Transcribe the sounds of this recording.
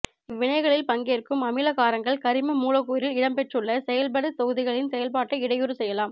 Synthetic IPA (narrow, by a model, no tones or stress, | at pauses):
ɪʋːɪɳɐɪɣɐɭɪlpɐŋɡeːrkɯmɐmɪlɐkaːɾɐŋɡɐɭkɐɾɪmɐmuːlɐɣuːɾɪlɪɽɐmpɛʈrɯɭːɐsɛjɐlp̬ɐɽɯt̪ɔɣɯðɪɣɐɭɪnsɛjɐlpaːʈːɐɪɽɐjɯɾɯsɛjːɐlaːm